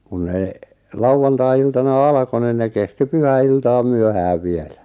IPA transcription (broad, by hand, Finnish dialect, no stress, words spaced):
kun ne lɑuw̆ɑntɑiiltɑnɑ ɑlɑ̆ko nin ne kesti pyhæiltɑːm̆ myøhæːʋ ʋielæ